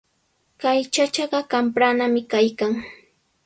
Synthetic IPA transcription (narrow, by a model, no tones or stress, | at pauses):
kajt͡ʃat͡ʃɑɢɑkampɾanamɪkajkaŋ